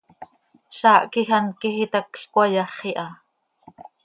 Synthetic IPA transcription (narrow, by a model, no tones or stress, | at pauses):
ʃɑːʔkixankixit̪ɑkɬkwɑjɑχiʔɑ